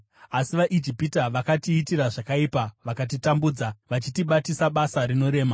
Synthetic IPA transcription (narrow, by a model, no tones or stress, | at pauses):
asiʋaʔid͡ʒipitaʋakatiːtiraʐakaipaʋakat̬itambuːd͡zaʋat͡ʃitiɓatisaɓasaɾino̞ɾe̞ːma